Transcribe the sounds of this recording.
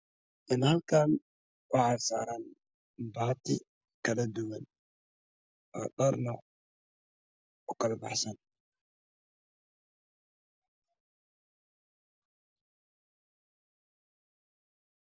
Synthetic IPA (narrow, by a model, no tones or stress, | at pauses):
ʔɪnhalkaːn | wɑħasa̰ːɾɐn | baːt̪ɪ | kɐlɐd̪ʊwɐn | ʔɔ̰ːɗɐɾnɔ | ɔkɐlɐbɑ̰ħsɐn